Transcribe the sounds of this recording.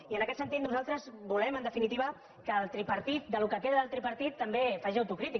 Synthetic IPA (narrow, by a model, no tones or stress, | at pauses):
iənəkɛt̪sənt̪it̪̚nuzalˠt̪ɾəzbulɛmənd̪əfinit̪iβə | kəːlˠt̪ɾipəɾt̪it̪̚d̪əlukəkeðəðəlˠt̪ɾipəɾt̪it̪ːəmbefaʒiəwt̪ukɾit̪ik